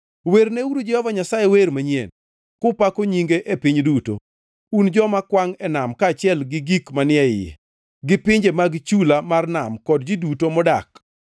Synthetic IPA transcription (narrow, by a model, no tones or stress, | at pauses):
weɾneuɾud͡ʒɛhɔvaɲasajeweɾmaɲiḛn | kʊpakoɲiŋɡeʔepiɲduto̰ | und͡ʒɔmakwaŋɛnamkaːt͡ʃɪɛlɡɪɡikmanɪɛɪjḛ | ɡɪpɪɲd͡ʒemaɡt͡ʃulamarnamkɔd̚d͡ʒidutomɔdak